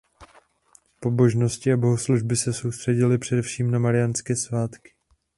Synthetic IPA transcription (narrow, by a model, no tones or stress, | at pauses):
po̞bo̞ʒno̞scɪabo̞ɦosluʒbɪsɛso̞wst̪r̥ɛɟɪlɪpr̝̥ɛdɛfʃiːmnamaɾɪjanskɛːsvaːt̪kɪ̥